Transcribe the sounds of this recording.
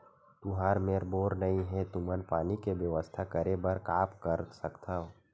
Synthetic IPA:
t̪uɦaːɾmeːɾboːɾnɐĩɦɛt̪umənpaːnikeʋjəʋəst̪ʰakəɾebɐɾkaːpkəɾsəkt̪aɦo

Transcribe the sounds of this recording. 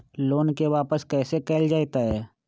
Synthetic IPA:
loːnkeʋaːpəskɛːsekɛːld͡ʒaːt̪aɦɛː

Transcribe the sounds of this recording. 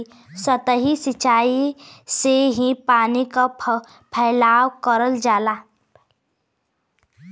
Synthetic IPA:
sət̪əɦisɪt͡ʃaːiseɦipaːnika | pʰɛːlaːwkəɾəld͡ʒaːlaː

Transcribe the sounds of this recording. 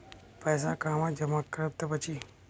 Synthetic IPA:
pəjsakãːmãd͡ʒəmakːəɾəp̚t̪ːəpət͡ʃʰi

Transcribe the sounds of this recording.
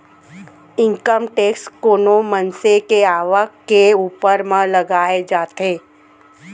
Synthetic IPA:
ɪ̃ŋkəmʈeːkskoːnomənsekeaːʋəkeuːpəɾmãləɡaːed͡ʒaːt̪eː

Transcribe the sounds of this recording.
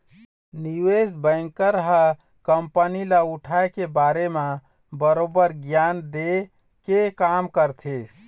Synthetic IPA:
niwesbə̃ŋkəɾɦə | kəmpənilauʈʰaekebaɾeme | bəɾobəɾɡjand̪e | kekamkəɾt̪ʰe

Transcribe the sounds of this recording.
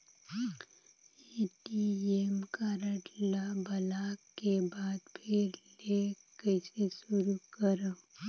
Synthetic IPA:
eʈiemkaːɾəʈlabɐlaːkːebaːd̪pʰɪɾle | kɐɪsesʊɾukəɾa

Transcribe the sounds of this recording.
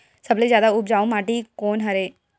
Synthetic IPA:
səbleːzjaːd̪aʊpd͡ʒaːõmaːʈiːkoːnɦəɾeː

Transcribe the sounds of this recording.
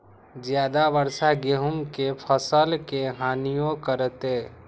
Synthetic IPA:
d͡ʒjaːd̪aʋəɾsaɡeɦʊmkepʰəsəlkeɦaːnijõkəɾət̪eː

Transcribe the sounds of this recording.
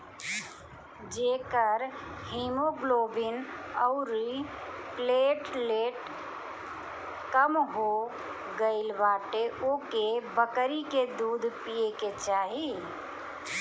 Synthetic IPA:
d͡ʒeːkəɾɦemoɡloːbinəʊɾipleʈleːʈ | kəmɦo | ɡəɪlʋaːʈeʔoːkebəkɾiked̪uːd̪ʱpijeket͡ʃaːɦi

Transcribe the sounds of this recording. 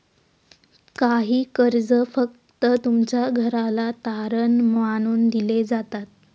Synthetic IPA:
kaɦiːkəɾd͡zəfək̚ | t̪ət̪umt͡ɕjaɡʱəɾalat̪aɾənmañuːnd̪iled͡zat̪at̪̚

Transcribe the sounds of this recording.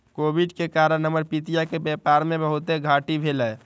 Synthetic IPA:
kobʱiɖkekaɾənːəməɾpit̪ijakebɛpaɾmebəɦut̪eɡʱaʈibʱeləj

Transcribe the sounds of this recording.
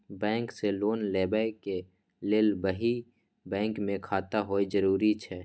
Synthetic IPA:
bɛ̃ːŋkseloːnlɛːbake | leːlbəɦi | bɛ̃ːŋkmẽkʰaːt̪aɦoːid͡ʒəɾuːɾit͡ʃʰɛː

